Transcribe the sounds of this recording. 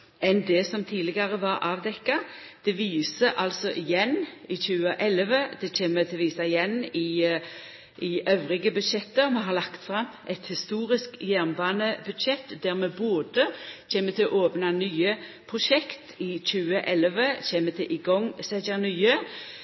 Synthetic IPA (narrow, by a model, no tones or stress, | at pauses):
ɛnd̪ɛsɔmt̪ʰiːdlɪɡɑɾəʋɑɾʔɑːʋd̪ɛkːɑ | d̪̥ɛʋiːsəʔɑlsɔʔɪjɛnːɪçʉːəʔɛlʋəd̪̥ɛçeːmət̪ʰɪlʋiːsɑɪjɛnɪ | ʔɪøʋɾɪɡəbʉd̪ʃɛt̪ːəɾmɛɦɑʁlɑkt̪fʁɑmʔɛt̪hɪst̪uːʁɪskjæːʁnbɑːnəbʉd̪ʃɛt̪ːd̪æːɾmɛboːd̪əçeːmət̪ʰɪlɔ̰ʔoːpnɑnyːəpʰʁʊʃɛkt̪ɪçʉːəʔɛləʋəçeːmət̪ʰɪlʔɪɡɔŋsɛd͡ʒənyːə